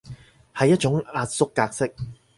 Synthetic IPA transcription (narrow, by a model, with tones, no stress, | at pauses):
hɐ˨jɐ˥t̚t͡ʃʊ˨˥ŋaː˧t̚sʊ˥kːaː˧k̚sɪ˥k̚